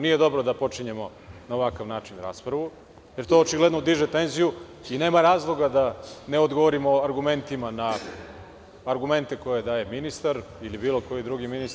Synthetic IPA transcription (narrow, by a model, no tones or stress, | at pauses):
nije̞d̪o̞bɾod̪apo̞t͡ʂiɲe̞mo̞ | naoʋakaʋnaːt͡ʃinɾa̰ːspɾaʋu | je̞ɾt̪o̞ːt͡ʃiɡle̞d̪nod̪iʒet̪e̞nziju | ine̞ːmaɾaːzlˠo̞ɡad̪aneo̞d̪ɡo̞ʋoɾimoaɾɡume̞nt̪imana | aɾɡume̞nt̪e̞ko̞je̞d̪aːje̞minist̪aɾ | ilibiːlo̞ko̞jid̪ɾuɡiminis